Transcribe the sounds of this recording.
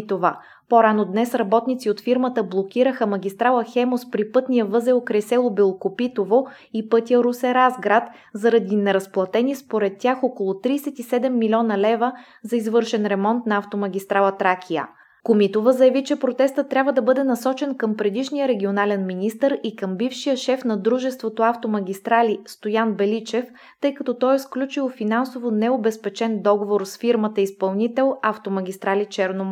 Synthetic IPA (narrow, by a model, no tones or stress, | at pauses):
t̪ovə | poɾanod̪nɛsɾɐbɔt̪nit̪siot̪fiɾmət̪əblˠokʲiɾəxəmɐɡʲist̪ɾalˠəxɛmospɾipɤt̪nijəvɤzɛokɾɛsɛlˠobilˠkopit̪ovo | ipɤt̪ʲijəɾusɛɾazɡɾat̪ | zɐɾɐd̪inɛɾɐsplˠɐt̪ɛnispoɾɛt̪ːʲjaxɔkolˠot̪ɾiːsɛt̪isɛd̪ɛmːilʲɔnəlɛvə | zɐizvɤɾʃɛnɾɛmɔnt̪nɐaft̪omɐɡʲist̪ɾalˠət̪ɾakʰʲijə̰ | komit̪ovəzɐjɐvit͡ʃɛpɾot̪ɛst̪ət̪ːɾʲabvəd̪ɐbɤd̪ɛnɐsɔt͡ʃɛnkəmpɾɛd̪iʃnijəɾɛɡʲionalɛnminist̪əɾikəmbifʃijəʃɛfn̪ɐd̪ɾuʒɛst̪vot̪oaft̪omɐɡ̟ʲist̪ɾalist̪ojanbɛlit͡ʃɛf | t̪ɤjkɐt̪ɔt̪ɔjsklʲut͡ʃilˠfinansovonɛobɛspɛt͡ʃɛnd̪ɔɡovoɾsfiɾmət̪əispɐlˠnit̪ɛlˠaft̪omɐɡ̟ʲist̪ɾalit͡ʃɛɾno